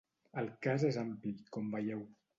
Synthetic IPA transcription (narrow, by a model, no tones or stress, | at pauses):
əlˠkazezamplikɔmbəʎɛw